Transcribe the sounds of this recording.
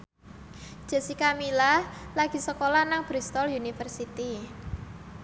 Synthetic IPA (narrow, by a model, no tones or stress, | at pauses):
d̥ʒ̥a̤sikamilalaɡ̥i̤səkolanaŋb̥ɾist̪ɔlunifərsit̪i